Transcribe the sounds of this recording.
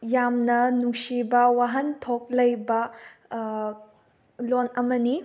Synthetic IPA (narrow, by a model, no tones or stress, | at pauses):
jamnɐnuksibɐwaɦɐntʰok̚lɐjbɐ | lonɐmɐni